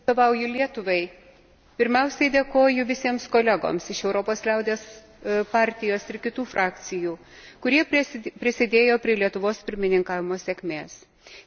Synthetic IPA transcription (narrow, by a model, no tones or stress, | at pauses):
oːʋɐʊjʊlʲiɛt̪ʊʋɐɪ | pʲɪɾʲmʲɛʊsʲɛɪd̪ʲeːkoːjʊʋʲɪsʲiɛmskoːlʲɛɡo̰ːmsɪʃɛʊɾoːpoːslʲɛʊd̪ʲeːs | pɑːˑɾʲt̪ʲɪjoːsɪɾkʲɪt̪uːfɾʔɑːkt̪sʲɪjuː | kʊɾʲiɛppʲɾʲɪsʲɪd̪ʲeːjoːpʲɾʲiɛlʲiɛt̪ʊʋoːspʲɪɾʲmʲɪnʲɪŋkɑːʋʲɪmoːsʲekʲmʲeːs